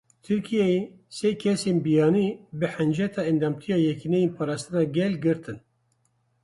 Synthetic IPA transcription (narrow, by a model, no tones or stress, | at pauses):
t̪ʰɨɾkʰijɛje | sekʰɛseːnbijɑːniːbɨħɛnd͡ʒɛt̪ʰɑːɛnd̪ɑːmt̪ʰijɑːjɛkinɛjenpʰɑːɾɑːst̪ɨnɑːɡɛlɡɨɾt̪ʰɨn